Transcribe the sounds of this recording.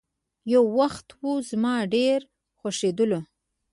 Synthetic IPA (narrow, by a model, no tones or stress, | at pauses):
jawːaxt̪wuzmɑɖeɾ | xaʂed̪əlo